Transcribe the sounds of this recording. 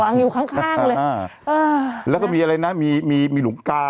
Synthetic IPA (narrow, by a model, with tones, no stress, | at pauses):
aː˧ŋjuː˨˩kʰa˦˥˩ŋkʰaː˥˩ŋlɤː˧˩˧ʔɤː˧˩lɛː˦˥˩kaː˥˩miː˧ʔa˧ɾa˧jna˦˥miː˧miː˧miː˧lu˨˩˦ŋkaː˧